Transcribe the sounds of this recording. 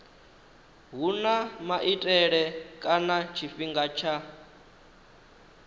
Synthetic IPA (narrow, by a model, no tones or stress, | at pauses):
ɦunamaʔitʼɛɺɛkʼanat͡ʃʰiɸiŋɡat͡ʃʰa